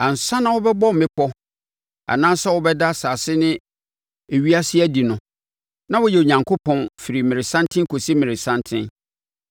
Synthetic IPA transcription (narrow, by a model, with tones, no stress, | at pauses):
ã˨n̩˨sa˦nã˨wʊ˦bɛ˦bɔ˦m̩˨mɪ̃˦kʰɔ˦ | a̰˨nãː˦sɛ˦wʊ˦bɛ˦da˦˨saː˨sɪ˦nɪ̃˦ | e˨ɥi˦a˦sɪ˦æ˦di˨nʊ̃˨ | nã˦wʊ˦jɛ˨o˨ɲã˨ŋkʰo˦pʰɔ̃˦nfi˨ɾi˨mɪ̃˨ɾɪ˨sã˦ntʰɪ̃˦ŋ˦kʰo˨si˦mɪ̃˨ɾɪ˨sã˦ntʰɪ̃˦n